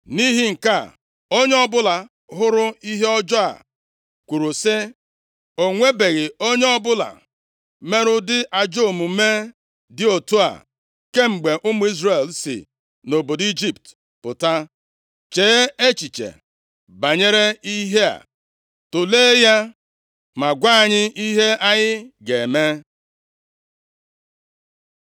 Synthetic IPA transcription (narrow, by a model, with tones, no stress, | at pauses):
ni˦ɦi˦ŋ̩˨ka˦˨ | o˦ɲe˦ɔ˦bʊ˦la˨ | ɦʊ˦ɾʊ˦i˦ɦe˦ɔ˦d͡ʒɔ˦a̰˨ | kʷu˨ɾʊ˨sɪ˦ | o˨ŋʷe˦be˨ɣɪ˨o˦ɲe˦ɔ˦bʊ˦la̰˨ | me˦ɾʊ˦dɪ˦ʔa˨d͡ʒo˦˨mu˨˦me˦ | dɪ˦o˨tu˦a̰˨ | ke˦ŋ͡m̩˨ɡ͡be˨ʔʊ˦mʊ˦i˦zre˨lsɪ̰˨ | no˨bo˨di˦d͡ʒi˦pt | pʊ˨ta˦ | t͡ʃeː˨˦e˦t͡ʃi˨t͡ʃḛ˨ | ba˨ɲe˦ɾe˦i˦ɦe˦a̰˨ | tʊ˨leː˦ja˦ | ma˨ɡʷa˦a˨ɲɪ˦i˦ɦe˦ʔa˦ɲɪ˦ɡe˨me˦